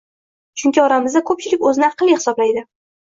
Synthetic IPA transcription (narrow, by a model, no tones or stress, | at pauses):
t͡ʃʰʊŋkʲʰɪɒɾamɪzd̪akʰɵp̚t͡ʃʰɪlɪkʲɵzɪnɪɑqlˠijhɪ̥sɒblajd̪ɪ